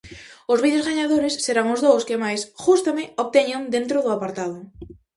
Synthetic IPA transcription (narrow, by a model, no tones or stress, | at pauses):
ʊzβiðjozɣaɲaðoɾɪsːeɾaŋʊzðowskɪmajsʝust̪amɪoβt̪ɛɲoŋd̪ent̪ɾʊðʊapaɾt̪aðʊ